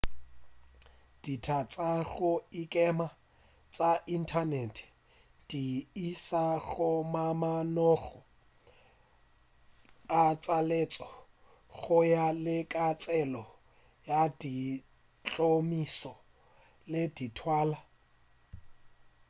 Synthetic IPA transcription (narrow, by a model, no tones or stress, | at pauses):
d̥itʰat͡sʼaɣʊikʼɛma | t͡sʼaʔin̩tʰanɛtʰɛ̥ | d̥iisaɣʊmamanɔɣɔ | at͡sʼalet͡sʼɔ | ɣʊjalɪkʼat͡sʼɛlɔ | jadi | t͡ɬʼomisɔ | leditʰwaːla